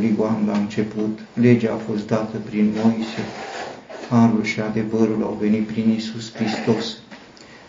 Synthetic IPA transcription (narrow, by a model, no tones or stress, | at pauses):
liɡoanlaɨnt͡ʃe̞put̪ | le̞d͡ʒaːfo̞st̪d̪at̪əpɾinmo̞jise | haɾulʃiad̪e̞vəɾula̰wve̞nit̪̚pɾinisuskɾist̪o̞s